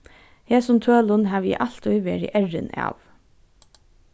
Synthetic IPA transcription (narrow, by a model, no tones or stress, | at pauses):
heːsʊmt̪ʰøːlʊnɦɑːʋḭːʔɑɬt̪ɔʏʋḛːɹɪ̰ʔɛɹə̰nɑ̰ːʋ